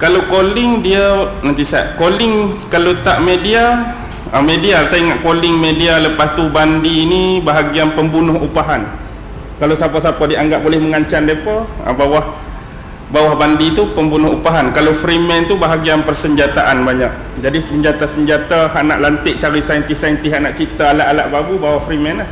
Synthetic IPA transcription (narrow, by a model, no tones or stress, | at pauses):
kalokolɪŋdiənant̪isa̰ʔkolɪŋkalot̪aʔmedia | əmedialsaiŋaʔ̪̚kolɪŋmedialəpast̪ubandiːnibaɦaɡianpəmbunʊhupaɦan | kalasapasapadiəaŋɡaʔ̚bolɛhməŋaɲt͡ʃandiəpəa̰bawah | bawahbandit̪upəmbunʊhupaɦankalofɾimɛnt̪ubaɦaɡianpərsəɲd͡ʒat̪aʔanbaɲaʔ̚ | d͡ʒadisəɲd͡ʒat̪asəɲd͡ʒat̪aɦaʔnaʔlant̪ɪʔ̚t͡ʃaɾisaint̪isajnt̪iɦaʔnaʔt͡ʃit̪aːlaʔalaʔbabubawahfɾimɛnah